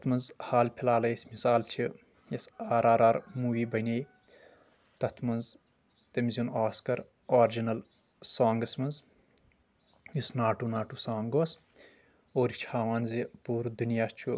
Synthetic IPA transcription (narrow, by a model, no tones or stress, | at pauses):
t̪ɐt̪mɐnzhaːlpʰilaːlɐjsʲmisaːlt͡ʃʰi | jɐsaːɾaːɾaɾmuːʋiːbɐnʲej | t̪ɐt̪ʰmɐnz | t̪ɐmiziunaːskɐɾ | aːɾd͡ʒinɐl | saːŋɡɐsmɐnz | jisnaːʈuːnaːʈuːsaːŋɡoːs | oːɾit͡ʃʰhaːʋaːnzipuːɾd̪unjaːst͡ʃʰu